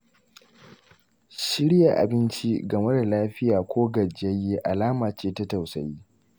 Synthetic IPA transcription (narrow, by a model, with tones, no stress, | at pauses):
ʃɪ˦ɾja˨ʔa̰˨bɪ˦nt͡ʃi˦ɡɐ˨me˦da˨laː˦ɸɪ˦jaː˨kʷʰoː˦ɡɐ˨d͡ʒɐ˦jːe˦ʔa˨laː˦maː˨t͡ʃeː˦tɐ˦ta˨wsɐ˨jiː˦